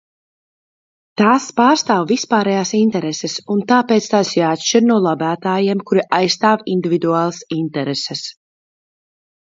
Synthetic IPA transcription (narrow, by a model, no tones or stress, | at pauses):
t̪aːspaːɾst̪aːwvispaːɾɛjaːsint̪ɛɾɛsɛsunt̪aːpeːt̪st̪aːsjaːt̪ʃt͡ʃiɾnuɔlˠabæːt̪aːjeɛmkuɾiʔajst̪aːvind̪ivid̪uaːlˠasint̪ɛɾɛsɛs